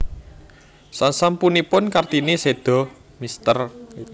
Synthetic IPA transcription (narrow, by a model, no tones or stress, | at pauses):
sansampunipʊnkart̪inised̪̥ɔ̤ | mist̪ər